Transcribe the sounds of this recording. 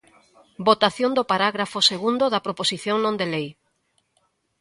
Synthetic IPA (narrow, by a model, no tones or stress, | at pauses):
bot̪aθjõnd̪opaɾaɣɾafoseɣund̪oðapɾoposiθjõŋnõnd̪elej